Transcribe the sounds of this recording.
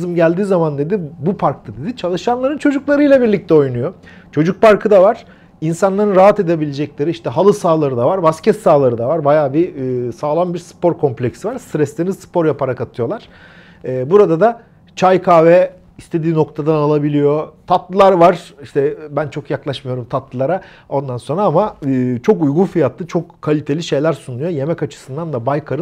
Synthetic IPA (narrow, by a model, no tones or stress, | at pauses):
zɯmɟælʲd̪iːzamand̪e̞d̪ibupʰaɾkt̪ʰad̪e̞d̪it͡ʃʰalˠɯʃanlˠaɾɯnt͡ʃʰo̞d͡ʒuklˠaɾɯjlʲˠabiɾlʲic̚t̪ʰɛo̞jnujo̞ | t͡ʃʰo̞d͡ʒuk̚paɾkʰɯd̪avaɾ̥ | insanlˠaɾɯnɾaɦat̪e̞d̪e̞bilʲed͡ʒɛclʲe̞ɾiiʃt̪ɛɦalˠɯsaːlˠaɾɯd̪avaɾbascʰɛt̪saːlˠaɾɯd̪avaɾbajaːbisaːlˠambiɾspo̞ɾkʰo̞mplʲecsivaɾst̪ɾɛslʲenizspo̞ɾjapaɾakat̪ʰɯjo̞lˠaɾ̥ | ɛːbuɾad̪ad̪a | t͡ʃʰajkʰaːvɛ | ist̪ʰe̞d̪iːno̞k̚t̪ʰad̪analˠabilʲijo̞t̪ʰat̪lˠɯlˠaɾvaɾ̥iʃt̪ʰɛbænt͡ʃʰo̞kjaklˠaʃmɯjo̞ɾumt̪ʰat̪lˠɯlˠaɾa | o̞nd̪anso̞nɾaamaɯːt͡ʃʰo̞kujɡunfijat̪lˠɯt͡ʃʰo̞kʰːalʲit̪ʰe̞lʲiʃe̞jlʲæɾsunujo̞je̞mɛcat͡ʃʰɯ̥sɯnd̪and̪abajkʰaɾɯ